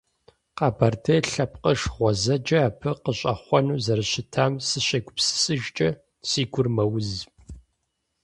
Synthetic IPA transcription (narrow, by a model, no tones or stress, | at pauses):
qaːbartʰeːɬɐpqəʂʁʷɔzɐd͡ʒɐːpʰɨqəɕʷʼɐχʷɔnuːzɐɾɨɕɪtʰaːmsɨɕɐɡʷʊpsɨ̥sʼɨʒt͡ʃʼɐ | siːɡʷʊrmɐwʊzp